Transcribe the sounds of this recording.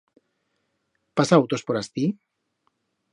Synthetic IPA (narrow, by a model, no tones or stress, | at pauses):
pasaawt̪ospoɾast̪i